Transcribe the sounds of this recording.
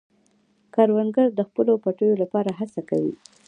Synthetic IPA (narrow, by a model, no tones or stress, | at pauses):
kɑɾwanɡaɾd̪əxpəlopaʈəjolapɑɾaɦasaka̰wḭ